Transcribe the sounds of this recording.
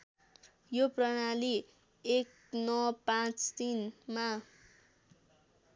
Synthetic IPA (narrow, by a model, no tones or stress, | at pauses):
joprʌnali | ek̚ | nʌpãt͡st̪inma